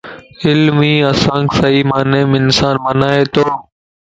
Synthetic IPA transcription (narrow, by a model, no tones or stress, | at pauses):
ɪlmiːəsãːŋkɪsəiːmaːneːmɪnsaːnmənaːɦeːt̪oː